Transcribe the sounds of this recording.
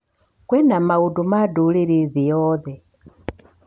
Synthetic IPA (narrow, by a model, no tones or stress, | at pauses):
kwɛnamaudumaduliɾiðijɔðɛ